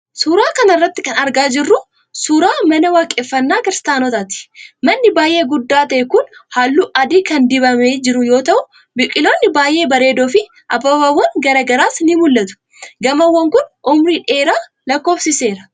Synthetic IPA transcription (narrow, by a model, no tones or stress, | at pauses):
suːɾaːkɐnɐɪrːɐt̪ːɪkɐnɐɾɡaːd͡ʒɪrːʊ | suːɾaːmɐnɐwaːkʼɛfːɐnːaːkɪɾst̪aːnɔt̪at̪ɪ̥mɐnːɪbaːjʔe̞ːɡʊd̪ːaːt̪ɐʔɛkʊnhaːlːuːʔɐd̪iːkɐnd̪ɪβɐmeːd͡ʒɪɾʊjo̞ːt̪ɐʔʊ | bɪkʼːɪlo̞ːnːɪbaːjʔe̞ːbɐɾe̞ːd̪oːfɪ | ʔɐbɐbaːwɐŋɡɐɾɐɡɐɾaːsnɪmʊlːɐt̪ʊ̥ | ɡɐmɐwːɐŋkʊnʔʊmɾiːᶑe̞ːɾaː | lɐkːo̞ːfsɪse̞ːɾɐ